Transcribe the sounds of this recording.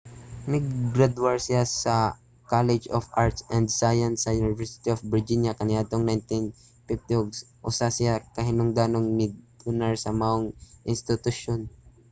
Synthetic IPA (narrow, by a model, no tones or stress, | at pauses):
nɪɡ̚ɡɾɛd̪waɹsɪjasɐ | kalɛd͡ʒɔfʔaɹt̪sʔɛnd̪sajɐnsɐjunɪvɛɹsɪ̥t̪iofbɪɹd͡ʒinjakɐnɪat̪oŋnajnt̪ɪn | fɪft̪ioɡs | ʔʊsasɪjakɐɦɪnʊŋd̪anoŋmɪd̪̚ | ʊnaɹsɐmaoŋʔɪnst̪ɪt̪ʊʃon